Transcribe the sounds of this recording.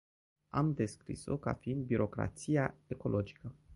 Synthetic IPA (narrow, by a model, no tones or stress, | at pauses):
amd̪e̞skɾḭso̰ka̰fiind̪̚biɾo̞kɾa̰t̪sijae̞ko̞lʔo̞d͡ʒi̥kə